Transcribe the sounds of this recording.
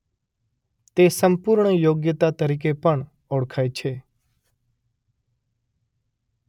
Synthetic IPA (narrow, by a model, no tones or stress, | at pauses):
t̪esəmpuɾɳəjoɡjət̪at̪əɾikepəɳ | oɽkʰajt͡ʃʰe